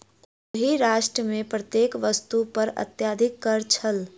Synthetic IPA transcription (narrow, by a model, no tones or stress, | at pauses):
ɦiɾaːʃʈɾəmẽpɾət̪jeːkʋəst̪upɐɾɐ̰t̪jaːd̪ʱɪkːɐɾt͡ʃʰəl